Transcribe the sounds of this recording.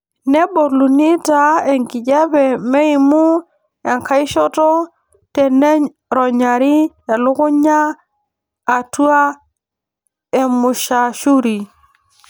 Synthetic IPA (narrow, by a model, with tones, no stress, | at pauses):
ne˦bo˨ɾlu˨ni˦ta˨e˨ŋki˨d͡ʒɛ˦bɛ˨me˦i˨mu˦ | e˨ŋka˦i˦ʃɔ˦tɔ˦ | tɛ˨ne˦ɲ | ɾɔ˨ɲa˨ɾi˦ | e˨lu˦ku˦ɲaː˦˨ | tu˦a˦ | e˨mu˨ʃa˨ʃu˦ɾi˨